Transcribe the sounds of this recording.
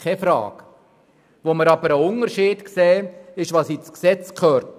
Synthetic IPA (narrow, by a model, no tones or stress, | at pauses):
ɛfɾɑ̰ːɡ̥ | ʋoməɾɑbəɾəʊnəɾʃiːd̥ksɛːɪʃʋɑsit͡sksɛt͡skʰχœːɾt